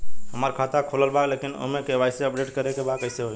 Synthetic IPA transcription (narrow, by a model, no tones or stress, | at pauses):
ɦəməɾkʰat̪akʰoləlbaklekino̰ɦmekebajseəpɖeʈkəɾekebakəjseɦo